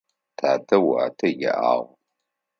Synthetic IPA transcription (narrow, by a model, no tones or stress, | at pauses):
tʰaːtʰɐwaːtʰɐjɛ̰ʔa̰ːʁ